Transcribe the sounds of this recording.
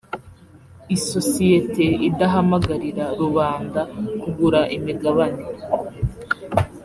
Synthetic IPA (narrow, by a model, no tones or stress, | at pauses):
iso̞sijete̞idaɦamaɡaɾiɾaɾuβaːndakuɡuɾaʔimiɡaβane